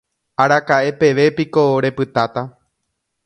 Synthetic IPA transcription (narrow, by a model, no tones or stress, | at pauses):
aɾakaʔe̞pe̞ʋe̞piko̞ɾe̞pɨt̪at̪a